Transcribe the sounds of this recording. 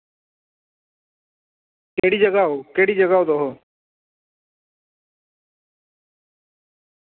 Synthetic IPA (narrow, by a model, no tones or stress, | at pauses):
keːɽiːd͡ʒəɡaːoːkeːɽiːd͡ʒəɡaːod̪oɦo